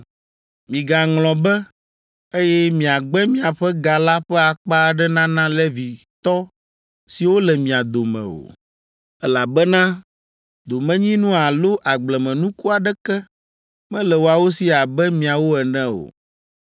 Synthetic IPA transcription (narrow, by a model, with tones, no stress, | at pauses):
mĩ˨ɡa˨ŋlɔ̃˨bɛ˦ | e˦jɛ˦mĩ˨a˨ɡ͡bɛ˦mĩ˦a˨ɸɛ˦ɡa˨la˦ɸɛ˦a˨k͡pa˦ɖɛ˦nã˦nã˦lɛ˦vi˨ | t̪ɔ˦ | si˨wo˦lɛ˨mĩ˨a˨d̪o˨mɛ̰̃˨o̰˨ | ɛ˦la˨bɛ˦nã˦ | d̪o˨mɛ̃˦ɲĩ˦nũ˦a˨lo˦ʔa˨ɡ͡blɛ˨mɛ̃˨nũ˦ku˦a˨ɖɛ˦kɛ˦ | mɛ̃˦lɛ˨wo˨a˨wo˦si˦a˨bɛ˦mĩ˨a˨wo˦ɛ˨nɛ̃˦o̰˨